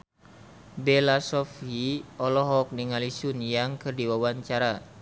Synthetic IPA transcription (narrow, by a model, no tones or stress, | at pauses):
bɛlasɔfiɔlɔɦɔk̚niŋalisunjaŋkɨrdiwawaɲt͡ʃaɾa